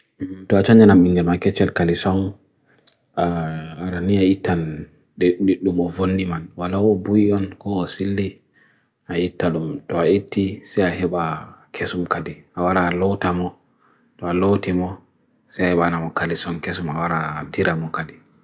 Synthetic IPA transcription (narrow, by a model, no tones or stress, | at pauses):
tɔat͡ʃaɲanamiŋɡɛlmakɛt͡ʃːɛlkalisɔn | aaɾaniaitːan | ɗɗiɗːumɔvonːimanwalawɔbujiɔnkɔɔsilːi | ʔaitːaɗumtɔaitːisɛjaɦɛɓakʰesumkadiʔawaɾalɔwtamɔ | tɔalowtimɔ | sɛjahɛɓanamɔkalisɔnkesumawaɾadiɾamɔkadi